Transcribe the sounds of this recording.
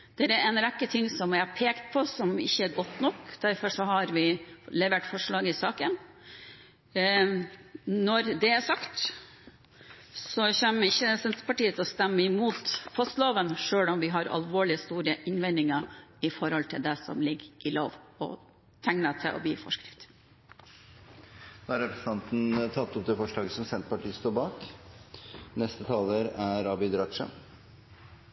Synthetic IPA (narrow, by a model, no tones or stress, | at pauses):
d̪̥ɛɾɛɾɛnɾɛkːət̪ʰɪŋːsɔmʋæɪhɑɾpʰeːkt̪pʰɔsɔmɪ̰çːəæɾɡɔt̪ːnɔkd̪̥æɾfɔʂɔɦɑɾʋɪlɛʋeːʈfɔʂɭɑːɡəɪsɑːkən | nɔɾd̪ɛæʂɑkt̪ | sɔçɛmːəɪçːəsɛnt̪pʰɑʈiːət̪ʰɔst̪ɛmːəɪmuːt̪pʰɔst̪loːʋənʂøːlɔmʋɪɦɑɾɑ̰lʋoːɭɪəst̪uːɾəʔɪnʋɛnɪŋɑɪfɔɾɔlt̪ʰɪld̪ɛsɔ̰mlɪɡʔɪlo̰ːʋɔ̰ | t̪ʰæŋnət̪ʰɛ̰ʔɔ̰bḭːfɔ̰ʂkɾɪft̪ | d̪̥oːæɾɛpɾəsn̩ʰɑnt̪n̩t̪ʰɑt̪ːɔp̚d̪ɛfɔʂɭɑːɡəsɔmsɛnt̪pɑʈiːst̪uːbɑːk | nɛst̪ət̪ʰɑːləɾæɾɑːbɪd̪ɾɑt̪ʂə̰